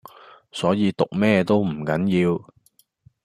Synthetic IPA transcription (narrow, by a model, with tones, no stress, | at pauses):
sɔː˨˥jiː˨˧t̪ʊ˨k̚mɛː˥t̪o˥wm̩˨˩kɐ˨˥njiː˧w